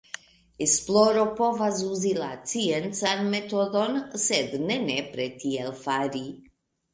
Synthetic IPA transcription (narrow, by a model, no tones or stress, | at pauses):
esploɾopovazuzilat͡sient͡sanmet̪od̪onsed̪nenepɾet̪ielfaɾi